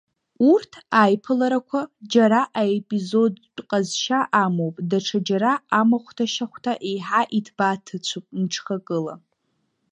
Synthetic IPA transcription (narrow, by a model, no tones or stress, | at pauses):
urtʰajpʰɨlaɾakʷʰad͡ʒaɾaʔaepʼizod | qʼazʃaʔamowpʼdaʈ͡ʂʰad͡ʒaɾaːmaχʷtʰaʃaχʷtʰaʔejħaʔitʰb̥atʰɨt͡ɕʷʰupʼnʈ͡ʂʰχakʼɨla̰